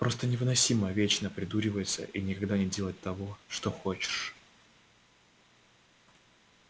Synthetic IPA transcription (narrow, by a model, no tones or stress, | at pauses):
pɾo̞st̪ənʲɪvɨnɐsʲiməvʲet͡ɕnəpɾʲɪd̪uɾʲɪvəjɪt̪sə̰ʔinʲɪkɐɡd̪anʲɪdʲe̞lˠət̚ʲt̪ɐvo̞ʂt̪oxo̞t͡ɕɪ̥ʂ